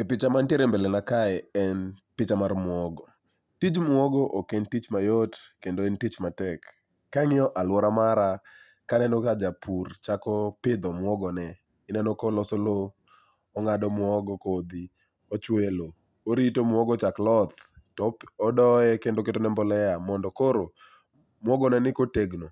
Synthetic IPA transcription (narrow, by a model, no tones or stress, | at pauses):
epɪt͡ʃamantjeɾembelenakaɛɛnpɪt͡ʃamarmwɔɡɔ | tid͡ʒmwɔɡɔʔokentit͡ʃmajotkendointit͡ʃmatɛkː | aŋɪɔʔalwɔɾamaɾa | kanɛnɔkad͡ʒapʰurt͡ʃakɔpɪd̪ɔmwɔɡɔnɛ | ɪnɛnokɔlɔsolo | ɔŋadɔmwɔɡɔkod̪i | ot͡ʃwelo | oɾitomwɔɡɔt͡ʃaklɔt̪tɔɔdɔɛkendoketonɛmbɔlɛamɔndɔkoɾo | mwɔɡɔnɛnɪkoteɡno